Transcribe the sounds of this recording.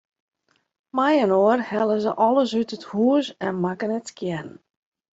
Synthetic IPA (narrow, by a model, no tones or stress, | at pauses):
majɛnoːərhɛləzəʔɔlˠəsytəthuəsɛnmakənətkʰjɛn